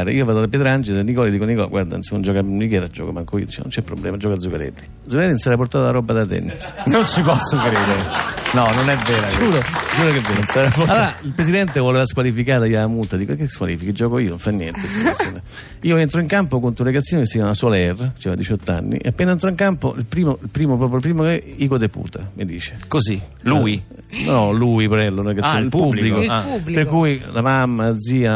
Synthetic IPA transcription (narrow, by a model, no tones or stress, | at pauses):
ɾḛiːovaːd̪olapjɛːt̪ɾeand͡ʒesenːikɔlid̪iːkonikɔl̰ɡwaɾd̪a̰nsomd͡ʒɔːkamikɛːɾad͡ʒɔ̰komaŋkoiːod̪it͡ʃɛ̰no̰nt͡ʃɛpːɾoblɛːmad͡ʒɔːkad̪zukaɾɛ̰d̪ːi | d̪zukaɾɛd̪ːinsaɾaport̪aːt̪alaɾɔbːad̪at̪ɛ̰nisnonsipɔsːokɾeːd̪eɾenɔnonɛvːɛːɾaskuːɾod͡ʒuːɾokevenonsaɾapoloɾailpɾes̬id̪ɛnt̪evoleːvaskwalifikaːd̪ajamult̪ːad̪ikoekːeskwa̰liːfikid͡ʒːɔːkoiːonoɱfanːjɛnt̪euat̪soːne | iːoent̪ɾɔiŋkampokont̪ɾuɾeɡat̪sːjoːnekesivanasɔlaɛrːat͡ʃɛvad̪it͡ʃɔt̪ːa̰nːḭʔḛapːeːnaent̪ɾɔiŋkampo̰ilpɾiːmoilpɾiːmopɾɔːp̬jolpɾiːmokeiːkod̪epṵːt̪amid̪ḭːt͡ʃe̥kozilui | nɔluipɾɛlːonɾɡasːjnelppublilikolaublipeɾkujlamamːad̪ziːa